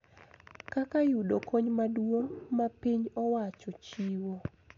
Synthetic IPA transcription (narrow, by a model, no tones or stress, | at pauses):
kakajudokoɲmadwomapiɲɔwat͡ʃɔt͡ʃiwo